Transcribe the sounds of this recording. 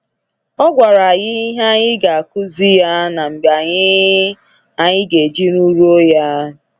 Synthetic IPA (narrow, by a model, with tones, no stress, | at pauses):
ɔ˦ɡʷa˨ɾa˨a˨jɪ˦i˦ɦa˦ɲɪ˦ɡa˨a˨kʊ˦zi˦ja˦na˨m̩˨bja˨ɲɪ˦ | a˨ɲɪ˦ɡe˨d͡ʒi˦nu˦ɾu˦o˦ja˦